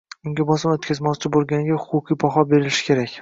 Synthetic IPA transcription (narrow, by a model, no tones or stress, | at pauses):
ʊŋɡʲabɒsɪmot̪kʲʰazmɒt͡ʃʰɪbolˠɡʲanɪɡʲahʊqʰʊqʰɨjpʰɒɦɒbe̞ɾɪʃɪ̥kʲʰe̞ɾakʲ